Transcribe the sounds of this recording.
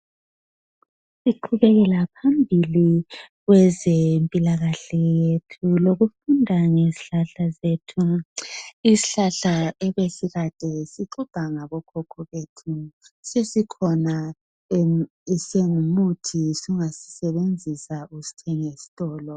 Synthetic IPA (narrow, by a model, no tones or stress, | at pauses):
siǃʰuβɛɣɛlapʰambʱiliɣwɛzempʼilaɣaɬɛjjetʰuloɣufundʱaŋeziɬaɬazetʰu | iziɬaɬaɛβesiɣad̥ʱɛsiǃub̥ʱaŋaβɔkʰɔkʰɔβetʰusesikʰɔna | isɛŋumutʰisuŋasi̥sɛβend͡zʱisausi̥tʰɛŋesi̥tʼɔːlɔ